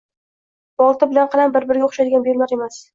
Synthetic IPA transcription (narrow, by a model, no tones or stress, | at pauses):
b̥ɒlˠt̪ɪbɪlanqʰɑlambɪɾbɪɾɡʲaoχʃad̪ɪɡʲanbelmaɾe̞mas